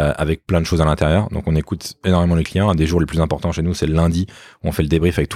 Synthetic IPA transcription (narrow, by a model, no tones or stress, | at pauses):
ʔa̰vɛk̚plɛ̃d̪əʃozalɛ̃t̪eʁjœːʁd̪ɔ̰̃kɔ̃nekut̪enɔʁmemɑ̃ləklijɑ̃ɛ̃d̪eʒuʁleplyzɛ̃pɔʁt̪ɑ̃ʃenusɛləlɛ̃d̪iuɔ̃fɛləd̪ebʁifavɛk̚t̪